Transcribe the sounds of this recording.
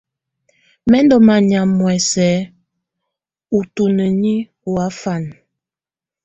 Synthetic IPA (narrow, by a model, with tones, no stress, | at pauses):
mɛ˦ndɔ˦ma˨ɲa˨mːwɛ˨sɛ˨˦ | u˨tu˨nə˨ɲi˦ | wa˨˦fa˦˨n